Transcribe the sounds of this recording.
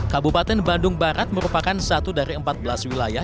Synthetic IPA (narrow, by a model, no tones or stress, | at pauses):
kabupat̪ɛnbandʊŋbaɾat̪̚məɾupakansat̪udaɾiəmpat̪̚bəlaswilaja